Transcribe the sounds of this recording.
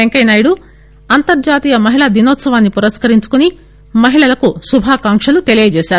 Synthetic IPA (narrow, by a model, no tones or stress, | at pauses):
eŋkɐjnaːjɽu | ɐnt̪ɐɾd͡ʒaːt̪iːjɐmɐɦiɭad̪inoːt̪sɐʋaːnːipuɾɐskɐɾiɲt͡ʃu̥kuni | mɐɦiɭɐlɐkusubʱaːkaːŋkʂɐlut̪elijɐd͡ʒɛːʃaːɾu